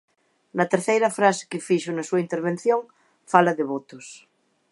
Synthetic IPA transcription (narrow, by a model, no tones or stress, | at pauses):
nɐt̪eɾθejɾɐfɾase̥kɪfiʃonɐsuɐint̪eɾβ̞en̟θjoŋ | falɐðeβot̪os